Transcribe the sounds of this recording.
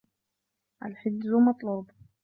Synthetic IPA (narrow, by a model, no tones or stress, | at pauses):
ʔalħɪd̪zʊmɑt̪ˤluːb